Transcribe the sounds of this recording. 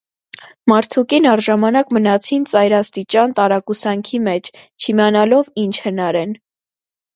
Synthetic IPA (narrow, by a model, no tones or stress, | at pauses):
mɑɾt̪ʰukinɑɾʒɑmɑnɑkmənɑt͡sʰint͡sɑjɾɑst̪it͡ʃɑnt̪ɑɾɑkusɑŋkʰimɛt͡ʃʰt͡ʃʰimiɑnɑlɔvint͡ʃʰhənɑɾɛn